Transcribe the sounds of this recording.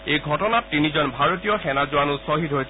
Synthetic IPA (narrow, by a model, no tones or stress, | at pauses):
ejɡʱɔtɔnat̚tinizɔnbʱaɹotijɔxɛnazʊanusoɦitɦojsɛ